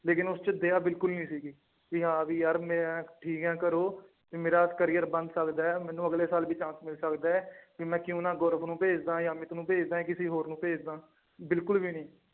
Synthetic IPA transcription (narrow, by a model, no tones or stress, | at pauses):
leːkɪnʊst͡ʃəd̪eːaːbɪlkʊlnĩːsiːɡiː | kiɦãːʋiːjəɾmeːɛ̃ːʈʰiːkɦɛ̃ːkəɾoː | kimeːɾaːskəɾiːjəɾbə̃nd̪səkd̪aːɛːmɛ̃ːnːũːəɡleːsaːlbiːt͡ʃãːsmɪlsəkd̪aːɛːkimɛ̃ːkjũːnãːɡɔːɾəpʰnũːpeːd͡ʒd̪ãːjãːmɪt̪nũːpeːd͡ʒd̪aːɛ̃ːk̬ɪsiːɦoːɾnũːpeːd͡ʒd̪aː | bɪlkʊlbiːnĩː